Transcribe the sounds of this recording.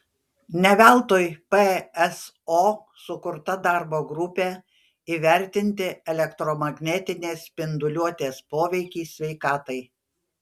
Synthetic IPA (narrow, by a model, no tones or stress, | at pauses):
nʲɛʋʲæˑlˠt̪oːjpeɛs | oː | sʊkʊɾt̪ɐd̪ɑˑɾboːɡɾʊpʲe | iʋʲɛɾʲt̪ʲɪnʲt̪ʲɪɛlʲɛkt̪ɾɔmɐɡnʲɛt̪ʲɪnʲeːspʲɪnd̪ʊlʲuɔt̪ʲeːspoːʋʲɛɪkʲiːsʲʋʲɛɪkɑːt̪ɐɪ